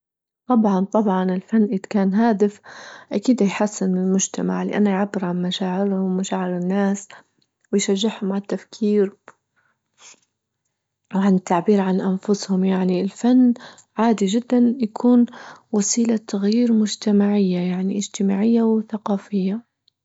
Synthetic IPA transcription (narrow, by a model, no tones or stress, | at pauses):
t̪ˤɑbʕɑnt̪ˤɑbʕɑnɪlfanːʔid̪kaːnɦaːd̪ɪfʔakiːd̪ajħasːɪnɪlmʊd͡ʒt̪ama̰ʕlɪ̰ʔanːajʕabːɪɾʕanmaʃaːʕɪɾhʊmmaʃaːʕɪɾɪnːaːs | wɪjʃaʒːɪħhʊmʕat̪ːafkʰiːɾ | wʕanɪt̪ːaʕbiːɾʕanʔanfʊshʊmjaʕniɪlfanː | ʕaːd̪id͡ʒɪd̪ːanjakʰuːnwasiːlat̪aɣjiːɾmʊd͡ʒt̪amaʕɪjːajaʕniʔɪd͡ʒt̪ɪmaːʕɪjːawθaqɑːfɪjːa